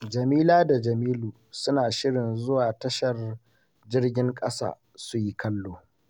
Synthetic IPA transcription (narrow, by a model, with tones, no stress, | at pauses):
d͡ʒɐ˨miː˦laː˦da˨d͡ʒɐ˨miː˦luː˨sʊ˦naː˨ʃɪ˦ɽɪ˨nzʊ˦waː˨tɐ˦ʃɐ˨r | d͡ʒɪ˦rɡʲɪ˦ŋkʼɐ̰˦sa̰ː˦˨ | su˦ji˦kɐ˦lːoː˨